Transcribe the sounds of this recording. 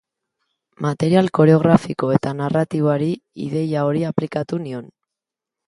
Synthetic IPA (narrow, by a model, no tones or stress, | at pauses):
mat̪e̞ɾialko̞ɾeo̞ɣɾafiko̞e̞t̪anarat̪iβoaɾiḭðe̞jao̞ɾiaplikat̪union